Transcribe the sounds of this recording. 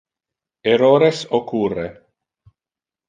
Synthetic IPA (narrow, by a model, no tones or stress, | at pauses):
eɾoːɾesokure